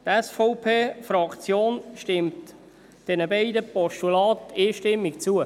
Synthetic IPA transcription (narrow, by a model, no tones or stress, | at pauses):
t̪ɛsfoʊpʰeːfɾɑkt͡sjoːnʃtɪmt | d̥ɛnəbɛɪdəpɔʃtulɑːt̪eːʃtɪmːikt͡suə